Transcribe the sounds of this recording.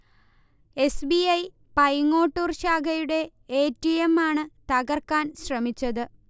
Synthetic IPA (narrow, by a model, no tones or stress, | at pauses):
e̞sbiɐj | pɐjŋːo̞ːʈːurɕaːɡɐjuɽe̞ | eːtːijemːaːɳɨt̪ɐɣɐrkaːnɕrɐmit͡ɕːɐðɨ